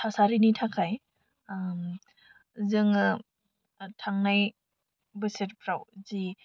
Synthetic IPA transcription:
tʰasaɾinitʰakʰaj | m | zɯŋɯ | tʰaŋnaj | bɯsetpʰɾawzi

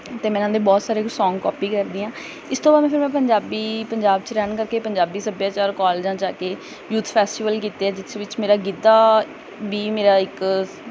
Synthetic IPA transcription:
t̪eːmɛ̃ːnãːd̪eːbɔːt̪saːɾeːsɔ̃ːŋɡkɔːpiːkəɾd̪iːãː | ɪst̪ʰõːbaːd̪mɛ̃ːpʰɪɾmɛ̃ːpəɲd͡ʒaːbiːpəɲd͡ʒaːbt͡ʃɾɛːnkəɾkeːpəɲd͡ʒaːbiːsəbjãːt͡ʃaːɾkɔːleːd͡ʒãːt͡ʃaːkeː | juːt̪ʰpʰɛːsʈiːʋəlk̬iːt̪eːɛːd͡ʒɪt̪ʰʋɪt͡ʃmeːɾaːɡɪd̪aː | biːmeːɾaːɪk

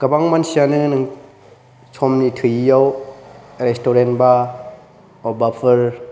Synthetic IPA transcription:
kɐbaŋmansianɯnɯŋ | t͡ʃʰɔmnitʰɯjijaw | ɾɛstɔɾenba | ɔbapʰɯɾ

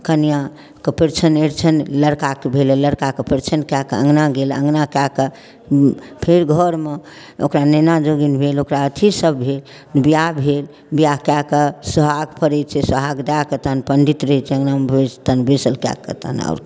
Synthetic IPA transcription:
kənijã | kəpeɾt͡ʃʰəneɾt͡ʃʰənləɾkakebʱeleləɾkakepeɾt͡ʃʰənkjakə̰ŋɡnaɡelə̰ŋɡnakakə | pʰeɾɡʱɔɾme | o̰kɾanenad͡ʒoɡinbʱelokɾaət̪ʰisəbbʱel | bijabʱel | bijakjakəsəɦaɡpəɾɛt͡ʃʰɛsəɦaɡd̪akət̪anpəɳɖit̪ɾəɦɛt͡ʃʰɛəŋnamebest̪ənbesəlkja̰kːə̰t̪ə̰nɔ̰ɾ

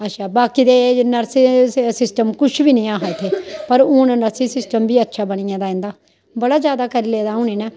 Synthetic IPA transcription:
əʃʰaːbaːkiːd̪eːnəɾsisɪsʈəmkʊʃʰʋiːnĩːãːɦat̪ʰeːpəɾʊːnnəɾsiːsɪsʈəmbiːətːʃʰaːbəɳ̃iːãːd̪aːɛ̃nd̪aː | bəɽaːd͡ʒjaːd̪aːkəɾiːleːd̪aːũːniːnɛː

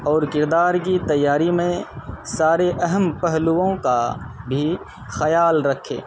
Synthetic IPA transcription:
ɔːɾkɪɾd̪aːɾk̬it̪ɐjːaːɾimẽsaːɾeʔɐɦəmpəɦluõkabʱi | xɐjaːlɾɐkʰːḛː

